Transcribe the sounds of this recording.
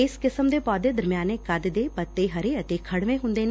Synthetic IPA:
ɪskɪsəmd̪eːpɔːd̪ed̪ɐɾmijaːnekɐd̪d̪epɐt̪ːeɦɐɾeɐt̪ekʰɐɽʋẽɦʊ̃nd̪eːn

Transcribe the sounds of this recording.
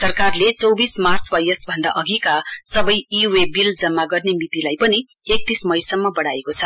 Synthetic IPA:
sʌrkarlet͡sʌwbismart͡swajʌsbʱʌnd̪aʔʌɡikasʌbʌjiwebild͡zʌmːaɡʌrnemit̪ilajpʌni | ek̚t̪ismʌjsʌmːʌbʌɽaekot͡sʰʌ

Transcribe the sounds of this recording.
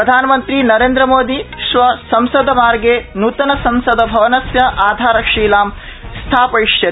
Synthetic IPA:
ɾɐd̪ʱaːnɐmɐnt̪ɾinɐɾeːnd̪ɾɐmoːd̪iʃʋɐsɐmsɐd̪ɐmaːɾɡeːnuːt̪ɐnɐsɐmsɐd̪ɐbʱɐʋɐnɐsjɐʔaːd̪ʱaːɾɐkʂiːlaːm | st̪ʰaːpɐiʂjɐ

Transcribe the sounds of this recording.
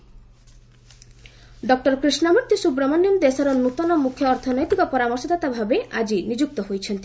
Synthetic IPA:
ɖɔk̚ʈɔɾkɾisnamuɾt̪isubɾɔmɔnjɔnd̪esɔɾɔnut̪ɔnɔmukʰjɔːɾt̪ʰɔnɔjt̪ikɔpɔɾamɔɾsɔd̪at̪abʱabeʔad͡ʒinid͡ʒuk̚t̪ɔɦojt͡ʃʰent̪i

